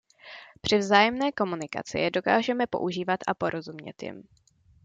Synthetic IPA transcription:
pr̥ɪvzaːjɛmnɛːko̞munɪka̰t͡sɪ̰jɛdo̞ka̰ːʒɛmɛpo̞̰ʔuʒiːvat̪ʔapo̞ɾo̞zumɲɛ̰t̪jɪ̰m

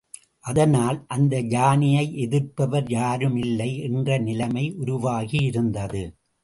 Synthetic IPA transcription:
ʔɐðɐnaːlʔɐnd̪ɐd͡ʒaːnɪjɐɪʔɛðɪɾpɐʋɐɾjaːɾɯmɪlːɐɪʔɛndrɐnɪlɐmɐɪʔʊɾʊʋaːɣijɪɾɯnd̪ɐðɯ

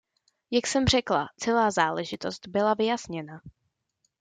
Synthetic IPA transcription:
jaksɛmr̝ɛklat͡sɛlaːzaːlɛʒɪt̪o̞st̪bɪlavɪjasɲɛna

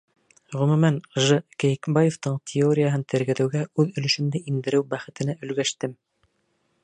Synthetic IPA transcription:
ʁɵ̆mʉmænʒɤkæjkbɑjoft̪ɤɴt̪ʲʰɪoɾʲɪjaɦɤnt̪ɘ̆ɾɡæ̆ðɘ̆wɡæʉðɵ̆lɵ̆ʃɵ̆mnd̪ɘʔind̪ɘ̆ɾɘwbæχɘ̆t̪ɘ̆næɵ̆lɡæʃt̪ɘm

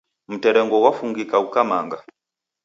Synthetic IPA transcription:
m̩tɛɾɛŋɡɔwafuŋɡikaukamaŋɡa

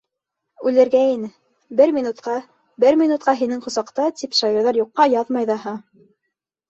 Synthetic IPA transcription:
ʉlɘ̆ɾɡæinɘ | bɘɾmʲinut̪qɑ | bɘɾmʲinut̪̚qɑɦinɘŋqŏsɑqt̪ɑt̪ipʃɑjoɾðɑɾjuqːɑjɑðmɑjðɑɦɑ

